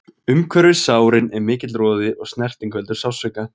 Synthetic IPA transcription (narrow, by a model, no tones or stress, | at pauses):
ʏmkʰvœɾvɪsaːwɾɪnɛɾmɪːcɪt̪lɾɔːðɪʔɔɣsnɛr̥t̪ɪŋkvɛlt̪ʏɾ̥saːwsœɥka